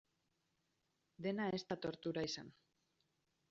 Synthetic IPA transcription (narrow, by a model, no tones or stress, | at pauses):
d̪e̞nae̞st̪at̪o̞ɾt̪uɾaisan